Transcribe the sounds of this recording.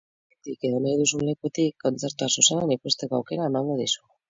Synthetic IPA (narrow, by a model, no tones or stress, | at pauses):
et̪ike̞ðonajðusunle̞kuet̪ikʰːo̞nt͡se̞ɾt̪uasusanenikust̪e̞ko̞awke̞ɾaemaŋɡoðisu̥